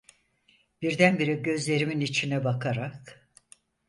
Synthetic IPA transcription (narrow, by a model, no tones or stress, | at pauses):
b̥iɾd̪ænbiɾiɟø̞zlʲe̞ɾiminit͡ʃʰinɛbakʰaɾak